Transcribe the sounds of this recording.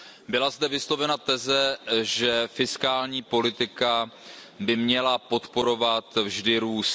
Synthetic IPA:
bɪlazdɛvɪslo̞vɛnat̪ɛzɛʒɛfɪskaːlɲiːpo̞lɪt̪ɪka | bɪmɲɛlapo̞t̪po̞ɾo̞vat̪vʒdɪɾuːs

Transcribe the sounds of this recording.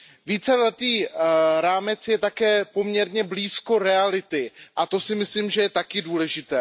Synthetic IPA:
viːt͡sɛlɛt̪iːɾaːmɛt͡sjɛt̪akɛːpo̞mɲɛɾɲɛbliːsko̞ɾɛalɪt̪ɪʔat̪o̞sɪmɪslimʒɛjɛt̪akɪduːlɛʒɪt̪ɛː

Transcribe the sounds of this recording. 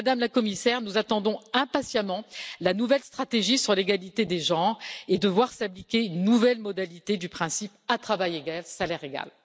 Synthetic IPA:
ad̪amlakɔmisɛʁnuzat̪ɑ̃d̪ɔ̃ɛ̃pasjamɑ̃lanuvɛlst̪χat̪eʒisyʁleɡalit̪ed̪eʒɑ̃ʁed̪əvwaʁsablikʲennuvɛlmɔd̪alit̪ed̪ypχɛ̃sipat̪χavajeɡalsalɛʁeɡa̰l

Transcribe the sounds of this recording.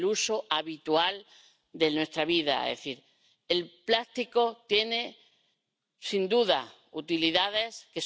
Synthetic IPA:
luso̞ʔaβit̪ual | d̪e̞nwe̞st̪ɾaβiða̰ḛðḛθiɾ | elplast̪iko̞t̪je̞ne | sind̪uða | ut̪iliðaðe̞ske̞s

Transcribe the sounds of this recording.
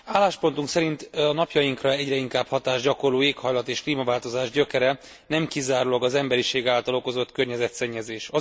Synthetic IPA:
aːlːaːʃpo̞nt̪uŋksɛɾint̪ɒnɒpjɒjiŋkrɒɛɟrɛiŋkaːbhɒt̪aːʒɟɒko̞roːeːkhɒjlɒt̪eːʃkliːmɒvaːlt̪o̞zaːʒɟø̞kɛɾɛ | nɛmkizaːɾulɒɡɒzɛmbɛɾiʃeːɡaːlt̪ɒlo̞ko̞zo̞t̪kørɲɛzɛt̪sɛɲːɛzeːʃɒ

